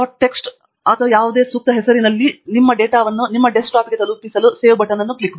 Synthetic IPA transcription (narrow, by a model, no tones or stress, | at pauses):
aʈːe̞ksʈ | ɐt̪ʰɐʋɐjaːʋud̪e̞ːsuk̚t̪ɐɦɛsɐɾinɐlːinimːɐɖeːʈaːʋɐnːunimːɐɖesʈaːpɡet̪ɐlupisɐluse̞ːʋbɐʈɐnɐnːuklikɐb